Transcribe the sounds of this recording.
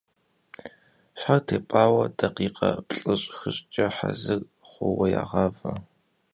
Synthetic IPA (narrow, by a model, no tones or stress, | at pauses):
ʃħartʰeːpʼaːwɐdɐqiːqɐpɬʼɨɕʼxɨɕʼt͡ʃʼɐħazɨr | χʷʊwɐja̰ːʁɑːvɐ